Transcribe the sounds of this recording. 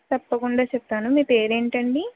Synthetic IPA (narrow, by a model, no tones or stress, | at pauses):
t̪ɐpːɐkuɳɖaːt͡ʃɛpt̪ːaːnumeːpe̞ːɾe̞ːɳʈɐɳɖi